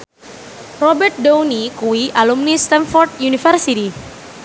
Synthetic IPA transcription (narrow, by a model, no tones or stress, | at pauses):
rɔbɛrt̪̚downikuiʔalumnist̪ɛnfɔrt̪̚junifərsit̪i